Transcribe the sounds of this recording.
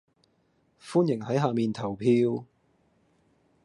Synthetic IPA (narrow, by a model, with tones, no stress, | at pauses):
fuː˥njɪ˨˩ŋhɐ˨˥jɦaː˨miː˨nt̪ʰɐ˨˩wpʰiː˧w